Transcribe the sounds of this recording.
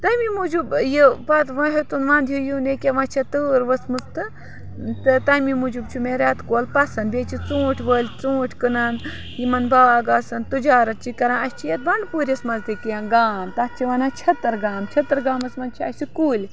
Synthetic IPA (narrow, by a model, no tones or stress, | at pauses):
t̪ɐmimud͡ʒubjipɐt̪ʋɐ̃ɦet̪unʋãːnd̪ʱjujunekʲeʋɐ̃t͡ʃʰɐt̪ɨːɾʋɐsmust̪ɨ | t̪ɨt̪ɐmimud͡ʒub̚t͡ʃʰimeɾʲat̪koːlpɐsɐnbeːt͡ʃʰit͡sũːʈʰʲʋəːlʲt͡sũːʈʰʲkɨnaːn | jimɐnbɐʋaːɡaːsɐnt̪ud͡ʒaːɾɐt̪̚t͡ʃikɐɾãnɐsʲt͡ʃʰijɐt̪̚bɐɳɖpuːɾʲesmɐnzd̪ikijãːɡaːmt̪ɐt̪̚t͡ʃʰiʋɐnaːt͡ʃʰɐt̪ɐɾɡaːmt͡ʃʰɐt̪ɐɾɡaːmɐsmɐnt͡ʃʰiɐ̰sʲikuːlʲ